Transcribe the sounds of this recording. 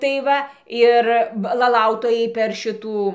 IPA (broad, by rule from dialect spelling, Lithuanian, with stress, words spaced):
tɐɪ ˈʋɐ ˈɪr ʋɐ lˠɐˈlˠɐʊtoːjɛɪ pʲɛr ˈʃʲɪtuː